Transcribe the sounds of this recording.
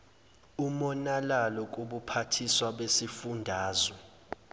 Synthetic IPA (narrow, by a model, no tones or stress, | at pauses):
umɔnalalɔk̬ʼuɓupʰatʰiswaɓesifundʱaːzɔ